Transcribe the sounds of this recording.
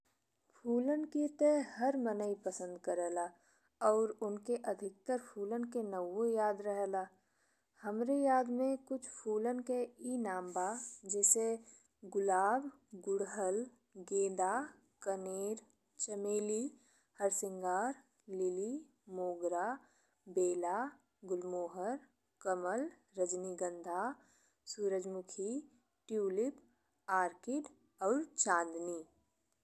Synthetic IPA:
pʰuːlənket̪ɛːhəɾmənəipəsə̃nd̪kəɾɛːlaː | ɔːɾʊnkeʔəd̪ʱɪk̚t̪əɾpʰuːlənkenəwojaːd̪ɾəɦɛːlaː | həmɾejaːd̪mẽkʊt͡ʃʰpʰuːlənkeiːnaːmbad͡ʒɛːse | ɡʊlaːb | ɡʊɽɦəl | ɡeːd̪a | kəneːɾ | t͡ʃəmeːli | həɾsɪŋɡaːɾ | lɪli | moːɡɾa | beːla | ɡʊlmoːɦəɾ | kəməl | ɾəd͡ʒniɡə̃nd̪ʱa | suːɾəd͡ʒmʊkʰi | ʈjuːlɪp | aːɾkɪʈ | ɔːɾt͡ʃãːnd̪niː

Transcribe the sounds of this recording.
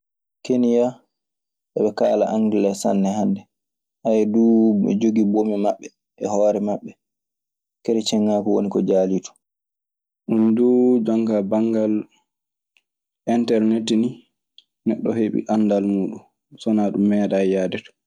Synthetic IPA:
kenija | ɗɛɓɛkaːla̰ʔaŋɡilɛsa̰nːɛhandɛ | ʔajɛduɛd͡ʒoɡibomimaɓːɛ | ʔɛhɔːɾɛmaɓːɛ | kɛɾɛt͡ʃɛŋːaːkɔwonikɔd͡ʒaːliːtɔ̥ | ɗundud͡ʒɔŋkabaŋɡal | ʔɛntɛɾnetni | nɛɗːɔ̰heɓḭʔandalmuːɗum | sɔnaɗumːɛːɗajaːdɛt

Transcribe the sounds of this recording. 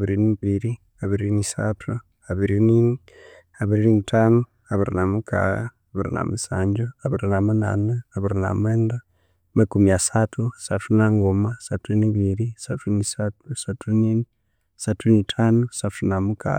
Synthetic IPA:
aβiɾiniβiɾi | aβiɾinisatʰu | aβiɾinini | aβiɾiɾinitʰanu | aβiɾinamukʰa̰ɣa̰ːβiɾḭna̰musa̰ːɲd͡ʒoaβiɾinamuna̰neaβiɾina̰mweːnda | mekumiasatʰusatunaŋɡomasatʰuniβiɾisaunisasatʰunini | satʰunitʰaːnusatunamukʰa̰a

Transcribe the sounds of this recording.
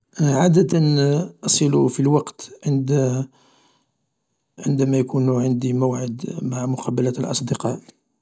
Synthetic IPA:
ʕad̪ət̪ənʔɑsˤəlufilwɑqt̪ʕənd̪ | ʕənd̪æmæjækunuʕənd̪iməwʕəd̪maʕmʊqʰɑbəlæt̪lʔɑ̰sˤd̪əqɑl

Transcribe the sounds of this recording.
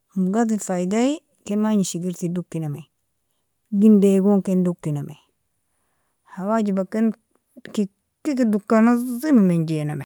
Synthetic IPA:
muɡatifajdai | kemaɲiʃiɡiɾtiduk̚tinamai | ɡindeɡoŋkenduk̚tinamḛi | hawad͡ʒibakːen | ki | kikidukːanazimamend͡ʒenama

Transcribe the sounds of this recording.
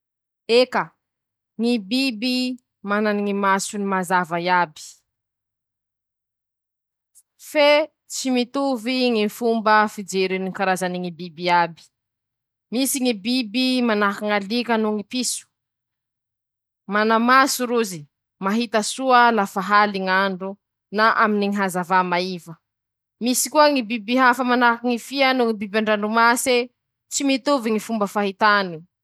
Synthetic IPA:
ekə | ŋibibi | mananiŋimasunimazavajabi̥ | fe | t͡simit̪uviŋifumbəfid͡ʒeɾinikaɾazaniŋibibiabi̥ | misiŋibibimanakiŋalikənuŋipisu̥ | manamasuɾuzi | maɦit̪əsuəlafaɦaliŋaɳɖ͡ʐu | naʔaminiŋiɦazavamaivə | misi̥kuəŋibibiɦafamanakiŋifianuŋibibaɳɖ͡ʐaɳɖ͡ʐumase | t͡simit̪uviŋifumbəfaɦit̪ani

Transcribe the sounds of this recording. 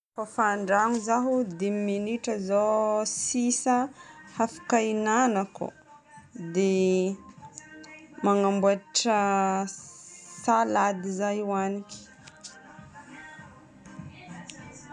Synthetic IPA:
fafaɳɖ͡ʐaŋuzaɦud̪eminiʈ͡ʂəzosisahafḁkainanakṵ | d̪e | maŋambuaʈ͡ʂə | salad̪izajuwaniki̥

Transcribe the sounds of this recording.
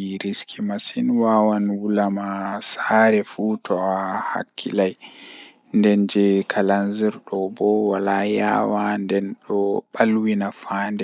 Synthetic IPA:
ɾiskʰimasinwawanwulamasaːɾɛfutʰɔaha̰kʰːilaj | ndɛnd͡ʒɛkʰalanziɾɗɔbɔwalaja̰wandɛnɗɔɓalwinafaːndɛ

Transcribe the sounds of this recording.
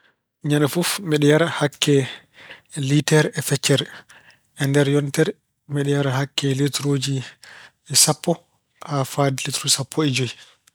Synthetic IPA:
ɲanafufmɛɗɛjaɾahakʰːɛ | litɛɾɛfɛt͡ʃːɛɾ | ʔɛndɛɾjɔntɛɾ | mɛɗɛjaɾaɦakːɛletɾoːd͡ʒi | ɛsapːɔ | hafadilitɾusapʰːɔɛd͡ʒoj

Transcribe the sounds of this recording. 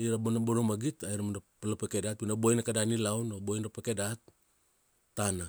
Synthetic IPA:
iɾabonaboɾomaɡitajɾamadapalapekedat̚inabojnakadanilawnobojnɾapekedat̚ː | ana

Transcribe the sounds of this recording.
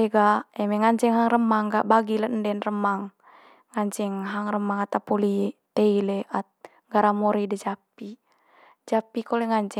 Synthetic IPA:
ɛɡaɛmɛŋaɲt͡ʃɛŋɦaŋrəmaŋɡaʔbaɡilandɛnrəmaŋ | ŋaɲt͡ʃɛŋɦaŋrəmaŋat̪apolit̪ɛilɛʔat̪̚ | ɡaɾamoɾidɛd͡ʒapːi | d͡ʒapːikolɛŋaɲt͡ʃɛ

